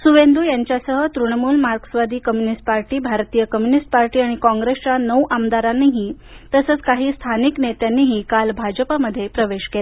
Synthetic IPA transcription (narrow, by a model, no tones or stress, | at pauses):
suʋend̪ʱujaɲt͡ɕjasəɦət̪ɾuɳəmuːlmaɾɡəsʋad̪iːkəmjunisʈ̚paɾʈiːbʱaɾt̪iːjəkəmjunisʈ̚paɾʈiːaɽ̃ikɔ̃ŋɡɾest͡ɕanəwʔamd̪aɾanːeɦiː | t̪əsəːt͡skaɦiːst̪ʰaniknet̪janːiɦiːkalbʱad͡ʑəpaməd̪ʱːjepɾəʋeɕkela